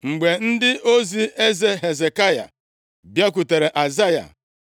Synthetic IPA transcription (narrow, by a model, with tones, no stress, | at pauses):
ŋ͡m̩˨ɡ͡be˨n̩˦dɪ˦ʔo˦zi˦e˦ze˦ɦe˨ze˨ka˦ja̰˨ | bja˦k̬u˨te˨ɾe˨ʔa˨za˦ja̰˨